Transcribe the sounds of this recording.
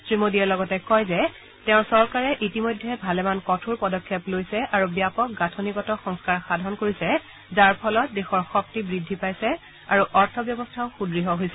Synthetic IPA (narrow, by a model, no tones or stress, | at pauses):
sɹimodiɛlɔɡɔtɛkɔjzɛ | tɛʊ̃ɹsɔɹkaɹɛʔitimojdʱːɛbʱalɛmankɔtʰuɹpɔdɔkʰːɛplojsɛʔaɹubijapɔk̚ɡatʰɔnikɔtɔxɔŋskaɹxadʱɔnkoɹisɛ | zaɹpʰɔlɔt̚dexɔɹxɔk̚tibɹidʱːipajsɛ | aɹuʔɔɹtʰɔbjɔbɔstʰaʊxudɹiɦɔɦojsɛ